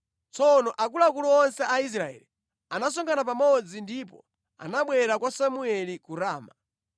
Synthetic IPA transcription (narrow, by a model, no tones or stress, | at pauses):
t͡sɔnɔʔakulakuluɔnsɛʔais̬ɾaɛ̰li | anas̬ɔŋɡanap̬amɔd͡zindipɔ̰ | a̰naɓwɛɾakwasamuɛlikuɾaːma